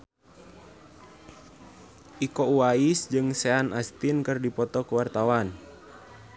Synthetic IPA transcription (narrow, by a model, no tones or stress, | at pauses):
ʔikɔuwaisd͡ʒɨŋsɛanʔast̪inkɨrdipɔt̪ɔkəwart̪awan